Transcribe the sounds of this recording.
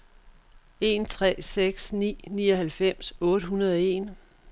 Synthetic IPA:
e̝ːnt͡sʰʁɛ̰ːseɡ̥snḭːniːɒɦælfem̰sɔ̽ːɾ̥əɦunɐð̞ˠɒe̝̰ːn

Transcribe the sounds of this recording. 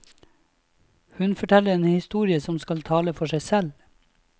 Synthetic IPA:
hʉnfɔʈʰɛləɾeːnhɪst̪uːɾɪəsɔmskɑlt̪ʰɑːləfɔʂʃæɪsɛl

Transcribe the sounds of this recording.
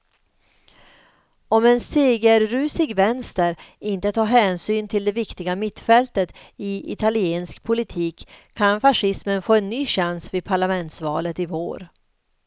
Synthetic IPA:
ɔmɛnseːɡəɾːʉ̟ːsɪɡvɛnst̪əɾɪnt̪ət̪ʰɑːɦɛːnsyːnt̪ʰɪld̪ɛvɪkt̪ɪɡamɪt̪fɛlt̪ət̪ɪɪ̰t̪ʰalɪeːnskpʰʊlɪt̪ʰiːkʰː | anfaʂɪsmənfoːɛnːyːɕansviːd̪pʰaɭamɛnt̪svɑːlət̪ɪvo̰ːɾ

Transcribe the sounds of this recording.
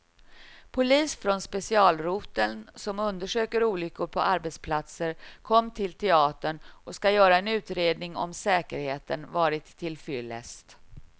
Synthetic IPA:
pʰʊliːsfɾɔnspɛsɪɑːlɾuːt̪ənsɔmɵnd̪əʂøːkəɾuːlʏkːʊɾpʰɔʔaɾbɛt̪spʰlat̪səɾkʰɔmːt̪ʰɪlt̪ʰɛɑːt̪əɳʔɔskajœːɾaɛnʉ̟ːt̪ɾeːd̪nɪŋɔ̰msɛːkəɾheːt̪ənvɑːɾɪt̪ʰːɪlfʏlːɛ̰st̪

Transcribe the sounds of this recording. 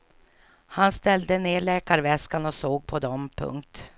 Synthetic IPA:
hanst̪ɛld̪əneːɭɛːkaɾvɛskanɔsoːɡ̚pʰɔd̪ɔmpʰɵ̰ŋk̚t̪

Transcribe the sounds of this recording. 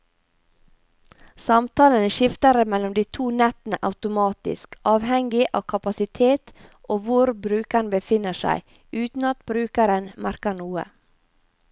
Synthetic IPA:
sɑmt̪ʰɑːlənəʃɪft̪əɾəmɛlɔmd̪iːt̪ʰuːnɛt̪n̩əʔɑʉt̪ʊmɑːt̪ɪ̰skɑːʋhɛŋɡɪʔɑ̰ːkʰɑpɑsɪt̪ʰeːt̪ | ʔoːʋʊɾbɾʉːkəɳbəfɪnəʃæ̰ɪ | ʉːt̪n̩ɑt̪bɾʉːkəɾənmæɾkəɳuːə̰

